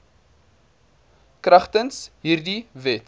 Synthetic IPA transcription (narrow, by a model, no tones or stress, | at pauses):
krɐχtənsɦiːrdivɛt